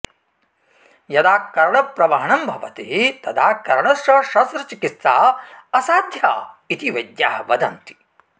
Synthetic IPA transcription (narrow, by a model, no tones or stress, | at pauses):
jɐd̪aːkɐɾɐɳɐpɾɐʋɐɦɐɳɐmbʱɐʋɐt̪it̪ɐd̪ʰaːkɐɾɐɳɐsɐʃɐst̪ɾɐt͡ʃikit̪ːaːɐsaːd̪ʱjaːit̪iʋɐd̪jaːɦɐʋɐd̪ɐnt̪i̥